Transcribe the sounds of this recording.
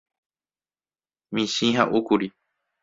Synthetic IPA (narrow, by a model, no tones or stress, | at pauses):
mĩʃĩɦa̰ʔukuɾi